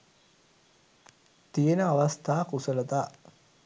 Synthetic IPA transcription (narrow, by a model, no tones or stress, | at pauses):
t̪ijənəaʋast̪ʰaːkusələt̪aː